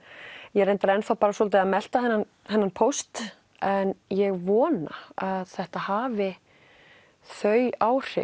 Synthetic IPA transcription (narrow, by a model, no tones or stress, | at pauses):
jɛɾrejnt̪aɾɛnfawpaːɾasɔːlt̪ɪamɛl̥t̪ahɛnːan | hɛnːanpʰowst̪ | ɛnjɛɣvɔːna̰aðθɛht̪ahaːvɪ | θœɥaːwr̥ɪ̰